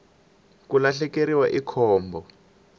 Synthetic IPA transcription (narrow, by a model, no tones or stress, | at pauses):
kulaɬɛkeɾiwaʔikʰɔːmbɔ